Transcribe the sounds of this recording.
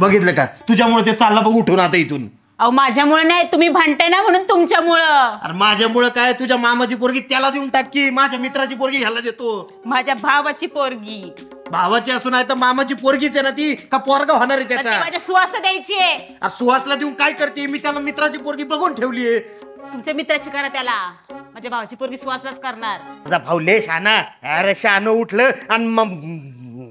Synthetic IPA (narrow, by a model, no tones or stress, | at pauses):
bəɡit̪̬ləka̰t̪ud͡ʑʱjamuɭət̪̬et͡salːabəɡuʈʰonat̪əjit̪uːn | aʋəmad͡ʑʱjamuɭənajt̪um̤iːbʱaɳʈanam̤əɽ̃uːnt̪umt͡ɕjamuɭəa̰ɾmad͡ʑʱjamuɭəkajt̪ud͡ʑʱjamamat͡ɕiːp̬oɾɡiːt̪jalad̪iunʈakːiːmad͡ʑʱjamit̪ɾat͡ɕiːpoɾɡiːɡʱalad̪et̪o | mad͡ʑʱjabʱaʋat͡ɕiːpoɾɡiː | bʱaʋat͡ɕiːəsuːnaɦet̪əɾmamat͡ɕiːpoɾɡiːt͡senat̪̬iːkapɔɾɡaɦoɽ̃aɾet̪jat͡sam̤ad͡ʑʱjasuʋasad̪jajt͡ɕiːe | a̰ɾsuʋaslad̪ewũnkajkəɾt̪iːmiːt̪jalamit̪ɾat͡ɕiːpoɾɡiːpɾəɡoɳʈʰeʋlije | t̪umt͡ɕamit̪ɾat͡ɕiːkəɾat̪jala | m̤ad͡ʑʱabʱaʋat͡ɕiːpoɾɡiːsuʋaslat͡skəɾɳaɾməd͡zabʱawleɕanaeɾəɕanəuʈʰləanimə